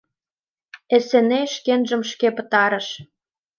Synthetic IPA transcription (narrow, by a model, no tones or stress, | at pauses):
ĕsĕneʃkenʒə̆mʃkepə̆t̪ɑɾə̆ʃ